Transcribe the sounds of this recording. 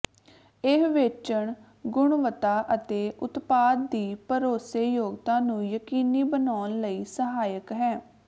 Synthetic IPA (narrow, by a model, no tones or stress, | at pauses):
ɪɦʋeːt͡ʃəɳ | ɡʊɳʋət̪aːʔət̪eːʔʊt̪paːd̪̚d̪iːpəɾoːseːjoːɡt̪ãːnũːjəkiːniːbənaːnləiːsəɦaːjəkɦɛː